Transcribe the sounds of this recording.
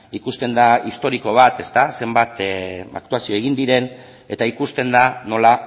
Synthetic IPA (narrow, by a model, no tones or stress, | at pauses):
ikust̪e̞nd̪aist̪o̞ɾiko̞β̞at̪e̞st̪ase̞mbat̪a̰kt̪uasio̞e̞ɣind̪iɾe̞n | e̞t̪aikust̪e̞nd̪ano̞la